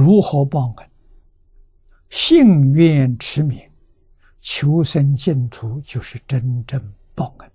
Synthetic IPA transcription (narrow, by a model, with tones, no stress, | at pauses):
ɻu˧˥xɤ˧˥pɑ˥˧ŋkə˥˩n | ɕi˥˧ŋɥɛ˥˩˨nʈ͡ʂʰɻ̩˧˥mi˧˥ŋ | t͡ɕʰjo˧˥ʊʂə˧˥nt͡ɕɛ˥˩nt̪ʰu˧˥t͡ɕjo˥˧ʊʂɻ̩˥˩ʈ͡ʂə˥nʈ͡ʂə˥˧ŋ | pɑ˥˩ʊŋkə˥˩n